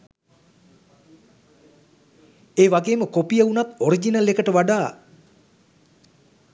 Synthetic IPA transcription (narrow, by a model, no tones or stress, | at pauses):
eːʋaɡeːməkopijəunat̪oɾid͡ʒinəlekəʈəʋaɖaː